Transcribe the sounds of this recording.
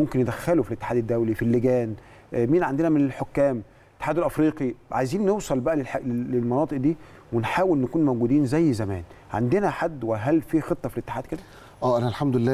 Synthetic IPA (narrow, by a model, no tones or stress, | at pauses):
momkenjed̪æxːælofilet̪ːe̥ħaːd̪æd̪ːæwlifilːeɡæːn | miːnʕand̪enæmenelħokːæːm | ʔʔet̪ːeħaːd̪olʔæfɾiːqiʕa̰jziːnːewsˤɑlbæʔælelħleelmɑnɑːt̪ˤɨʔd̪iː | wenħaːwelnkuːnmæwɡuːd̪iːnzæjːzæmæ̰ːn | ʕa̰nd̪enæħad̪ːwæɦælfiːxet̪ˤːɑfilet̪ːeħaːd̪̚ked̪æ | ʔæːʔænælħamd̪ʊelːæː